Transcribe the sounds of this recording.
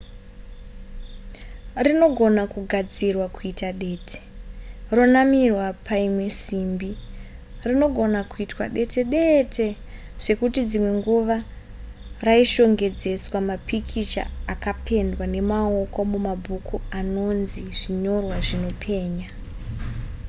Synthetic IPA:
rino̞ɡʱo̞nakuɡʱad͡zirwakuitaɗe̞ːtʰe̥ro̞namirwapʰaimwe̞simbi | rino̞ɡʱo̞nakuitwa̰ɗe̞te̞ɗe̞tʰe̞ | ʐ̥e̞kutid͡zimwe̞ŋɡuʋa | raiʃo̞ŋɡe̞d͡ze̞swamapikʰit͡ʃa̰ːkapʰe̞ndwane̞maoko̞mumabʱukuano̞nziʐ̥iɲo̞rwaʐino̞pʰe̞ːɲa

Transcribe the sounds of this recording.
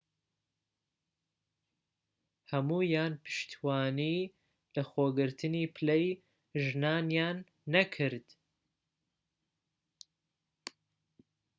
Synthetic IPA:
hɐmuːjaːnpʰɨ̥ʃt̪ʰwaːniː | lɐxoːɡɨɾt̪ʰɨniːpʰlej | ʒnaːnjaːnː | ɐkʰɨɾd̪̥

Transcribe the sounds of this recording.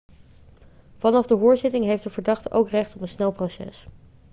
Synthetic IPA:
vɑnɑvdəɦʊːɹzɪtɪŋɦejftdəvəɹdɑχtəʔowkrɛχtɔpənsnɛlˠprosɛ̰s

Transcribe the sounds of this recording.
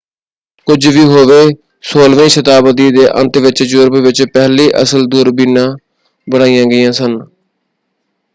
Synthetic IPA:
kʊd͡ʒʋiːɦoːʋeː | soːlʋẽĩːʃət̪aːbəd̪iːd̪eːʔə̰̃nt̪ʋɪt͡ʃd͡ʒʊɾbʋɪt͡ʃpɛːliːʔə̰səld̪uːɾbiːnãː | bəɽ̃aːijãːɡɪjãːsən

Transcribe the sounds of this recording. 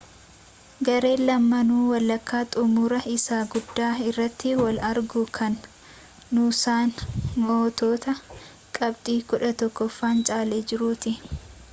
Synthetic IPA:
ɡɐɾe̞ːlɐmːɐnuːwɐlːɐkːaːt̪ʼʊmuːɾɐɪsaːɡʊd̪ːaːɪrːɐt̪ːɪwɐlɐɾɡʊkʰɐnː | uːsaːnmoːt̪o̞ːt̪ɐ | kʼɐbt̪ʼiːkʊᶑɐt̪ɔkːɔfːaːnt͡ʃʼaːleːd͡ʒɪɾuːt̪ɪ

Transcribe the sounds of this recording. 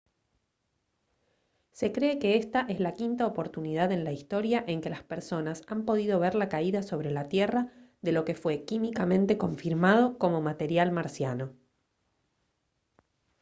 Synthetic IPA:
se̞kɾe̞ːkeest̪aʔe̞zlakint̪aopo̞ɾt̪unið̞aðe̞nlaist̪o̞ɾjaʔe̞ŋke̞laspeɾso̞nasampo̞ðið̞o̞βeɾlakaiðaso̞βɾe̞lat̪jeraðe̞lo̞ke̞fwe̞kimikamẽ̞nt̪e̞ko̞ɱfiɾmað̞o̞ko̞mo̞mat̪e̞ɾjalmaɾsjano̞

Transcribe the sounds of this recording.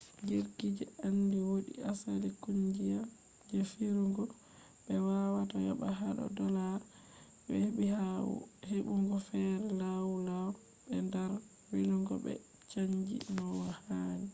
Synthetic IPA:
d͡ʒiɾkid͡ʒɛandiwoɗḭasalikuɲd͡ʒija | d͡ʒefiɾuŋɡɔ | ɓɛwawatajaɓaɦaɗɔ̰dɔla | bɛheɓihawṵheɓuŋɡɔfɛɾɛlawulaw | ɓɛndaɾ | wiluŋɡɔ̰ɓɛ̰ | t͡ʃaɲd͡ʒḭnɔwahani

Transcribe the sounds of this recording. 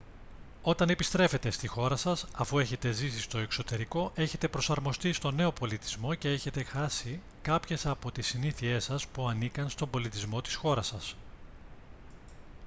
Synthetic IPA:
o̞t̪ɐnepist̪ɾe̞fe̞t̪e̞st̪ixo̞ɾɐsɐsɐfue̞çe̞t̪e̞zisist̪o̞e̞kso̞t̪e̞ɾiko̞ʔe̞çe̞t̪e̞pɾo̞sɐɾmo̞st̪ist̪o̞ne̞o̞po̞lit̪izmo̞ce̞eçe̞t̪e̞xɐsi | kɐpçe̞sɐpo̞t̪isiniθie̞sɐspuɐnikɐnst̪o̞mbo̞lit̪izmo̞t̪i̥sxo̞ɾɐsɐs

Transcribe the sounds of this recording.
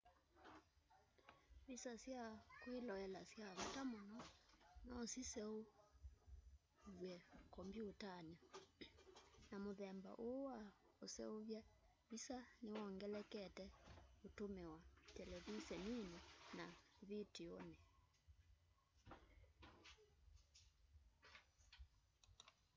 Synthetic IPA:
βisasjakwelɔɛlasjaβɔtamɔnɔnasisɛo | βwɛkɔmbjutanɔ | namoðɛmba̰ʔoa | osɛ̰oβja | βisanewɔŋɡɛlɛkɛtɛotomɛwatɛlɛvisɛninɛnaβitionɛ

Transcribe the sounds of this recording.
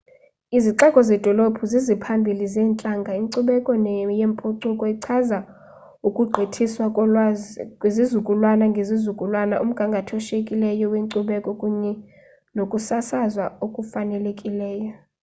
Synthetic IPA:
iziǀɛkʼɔzɛd̥ʱɔlopʰuzizipʰambʱilizɛːnt͡ɬʼaŋɡʱaiŋǀuɓɛkʼɔnjempʼoǀukʼɔiǀʰaza | ukʼuɡ͡ǃʱetʰiswa | kʼwezizukʼulwanaŋɡʱezizukʼulwanaʔum̩ɡ̥ʱaŋɡʱatʰɔʃekʼilɛjɔweŋǀuɓɛkʼɔkʼuɲɛ | nokʼusasazwaokʼufanɛlekʼilɛːjɔ

